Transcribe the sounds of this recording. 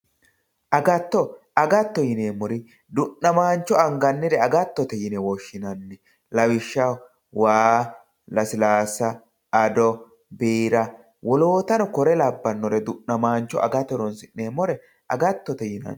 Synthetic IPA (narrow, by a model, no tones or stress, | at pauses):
ʔɐɡɐt̪ːɔ | ɐɡɐt̪ːɔjɪneːmɔɾɪ | d̪ʊʔːɐmaːnt͡ʃːɔɐŋɡɐnːɪd̪ɛɐɡɐt̪ːɔt̪ɛjɪnɛwɔʃːɪnɐnːɛ | lɐwɪʃːɐ | waː | lɐsɪlaːsɐ | ɐd̪ɔ | beːɾɐ | wɔloːt̪ɐnɔkɔɾɛlɐbːɐnːɔɾɛd̪ʊʔnɐmaːnt͡ʃːɔ̰ʔɐ̰ɡɐt̪ːɛɾɔnsɪʔneːmɔɾɛ | ɐɡɐt̪ːɔt̪ɛjɪnɐ̰n